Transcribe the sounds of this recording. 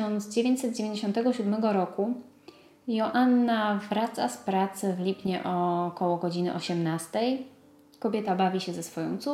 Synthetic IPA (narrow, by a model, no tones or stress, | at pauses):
ɔntd̪zd͡ʑevʲjeɲt͡ɕʲsɛt̪̚d͡ʑevʲeɲd͡ʑeɕɔ̃nt̪ɛɡɔɕud̪mɛɡɔɾɔku | jɔʔanːavɾat̪saspɾat̪sɘvlʲipɲɛ̰ʔɔkɔwɔɡɔd͡ʑinɘ̰ʔɔɕɛmnast̪ɛj | kɔbʲjɛt̪abavʲiɕɛzɛsfɔjɔ̰̃w̃t̪su